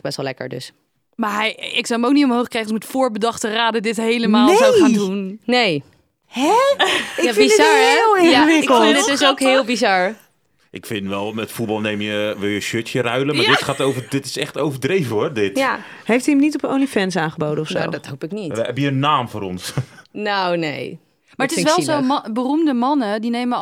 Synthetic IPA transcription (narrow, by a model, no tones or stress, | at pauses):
bɛstʋlɛkə̰ɹdø̰s | maɛjɪksawəmowknitʊmɦowxkrɛjənsmɛtfoːɹbədɑχtəraːdədɪthejləmaːlnesaaːndunnej | hɛɪjabizɑɹlˠɪjaʋɪɪkəlˠdɪɪsowkhɪːlˠbizɑɹ | ʔɪkfɪnʋɛlˠmɛtfutbɑlˠneːmjəʋɪlˠjəʃøtjəɾœɥləmmadɪtxaːtowvədɪtɪ̥sɛxtowvərdrejvəordɪtja | hejfthiəmnitɔpo̰ːnifɛns̬aːχəbowdənɔfso̰dɔtɦowpɪknitɛbjəənːaːmfʊːɾɔnsnownḛj | maɹətɪsʋɛlˠizobərumdəmɑnədinejmə